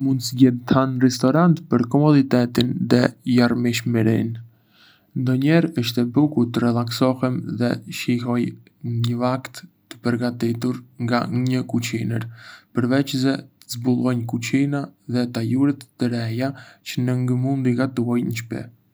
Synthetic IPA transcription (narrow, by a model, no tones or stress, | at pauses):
mund̪sɟɛðt̪ʰanrɛst̪ɔɾant̪pəɾkɔmɔd̪it̪ɛt̪inðɛjaɾmiʃmɛɾḭn | nd̪ɔɲɛɾəʃt̪ɛbukut̪ərɛlˠaksɔhɛmðɛʃiɦɔj | ɲəvakt̪ː | ə̥pəɾɡat̪it̪uɾŋɡa̰ɲəkut͡ʃinəɾpəɾvɛt͡ʃzɛəzbulˠɔjnkut͡ɕinaðɛt̪ajuɾɛt̪ːəɾɛjat͡ʃənəŋɡəmund̪iɡat̪uajnəʃpɛ̰